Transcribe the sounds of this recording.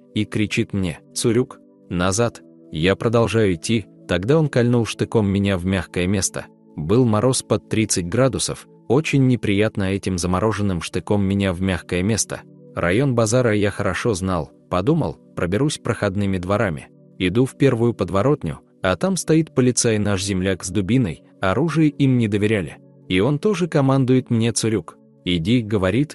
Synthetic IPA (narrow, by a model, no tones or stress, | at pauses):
ikɾʲɪt͡ɕit̪mnʲet̪sʊɾʲuk | nɐzat̪ | japɾəd̪ɐlˠʐajʊɪtʲːi | t̪ɐɡd̪ao̞nkɐlʲnulˠʂt̪ɨko̞mːʲɪnʲavmʲaxkəjəmʲe̞st̪ə̰ | bɨlˠmɐɾo̞spɐt̪ːɾʲit̪sɨtʲɡɾad̪ʊsəf | o̞t͡ɕɪnʲːɪpɾʲɪjat̪nəɛtʲɪmzəmɐɾʔo̞ʐɨnːɨmʂt̪ɨko̞mːʲɪnʲavmʲaxkəjəmʲe̞st̪ə̰ | rʔɐ̰jo̞nbɐzaɾəjaxəɾɐʂo̞znalˠ | pɐd̪umə̰lˠpɾəbʲɪɾusʲpɾəxɐd̪nɨmʲɪd̪vɐɾamʲɪ̰ | ɪd̪ufpʲe̞rvʊjʊpəd̪vɐɾo̞t̪nʲʊ̰ | ɐt̪amst̪ɐit̪pəlʲɪt̪sajnaʂzʲɪmlʲakzd̪ʊbʲinəj | ɐɾuʐɨjəʔimnʲɪd̪əvʲɪɾʲælʲɪ̰ | io̞nt̪o̞ʐɨkɐmand̪ʊjɪt̪mnʲe̞t̪sɨɾʲuk | ɪdʲiɡəvɐɾʲit̪